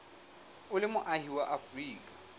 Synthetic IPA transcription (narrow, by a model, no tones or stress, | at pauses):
ʊlɪmʊʔahiwaʔafriːkʼḁ